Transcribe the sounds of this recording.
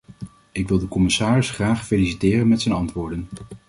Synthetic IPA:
ɪkʋɪlˠdəkɔmɪsaːrɪsχraːχfelisitɪːrənmɛtsɛjnɑntʋʊːɹdən

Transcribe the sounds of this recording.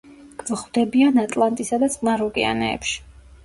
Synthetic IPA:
ɡ̥vɔχwd̪ɛbianat̪ʼlˠant̪ʼisad̪at̪sʼmaɾɔkʼɛa̰nɛ̰ːpʃi̥

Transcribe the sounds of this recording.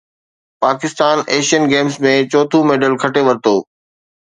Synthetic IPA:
paːkɪst̪aːneːʃijənɡeːmsmẽt͡ɕɔːt̪ʰũmeːɖəlkʰɐʈeʋɐɾt̪oː

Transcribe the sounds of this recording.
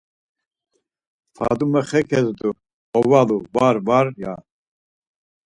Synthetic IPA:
fʰa̰d̪umɛχɛkʰɛzd̪u | ɔvaluvaɾvaɾja

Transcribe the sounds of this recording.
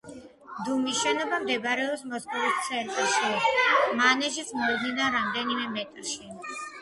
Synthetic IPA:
d̪umisʃɛnɔbamd̪ɛbɾɛɔpsmɔskʰʼɔlit̪t̪sʰɛɾkʼɛʃimanɛʃit̪sʰmɔd̪ninaɾamd̪ɛnimɛmɛt̪ʼɾʃi

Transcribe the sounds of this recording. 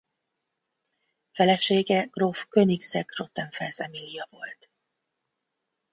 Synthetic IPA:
fɛlɛʃeːɡɛɡ̥rofkøniɡzɛɡro̞t̪ːɛɱfɛrzɛmilːijɒvo̞lt̪

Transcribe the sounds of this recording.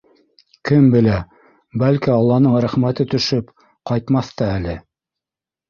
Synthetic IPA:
kɘmbɘ̆læ | bælkiɑlˠːɑnɤɴɾæχmæt̪ɘt̪ɵ̆ʃɵp | qɑjt̪mɑθt̪ɑælɘ

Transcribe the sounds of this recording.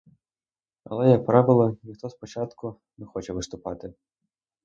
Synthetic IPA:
ɐ̰lˠɛjɐk̚pɾɑʋɪlˠɔnʲixt̪ɔspɔt͡ʃɑt̪kʊ | nɛxɔt͡ʃɛʋɪst̪ʊpɑt̪ɪ

